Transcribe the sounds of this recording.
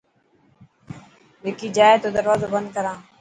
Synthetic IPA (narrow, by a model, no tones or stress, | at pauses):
ʋɪkiːd͡ʒaːeːt̪oːd̪əɾʋaːzoːbənd̪̚kəɾãː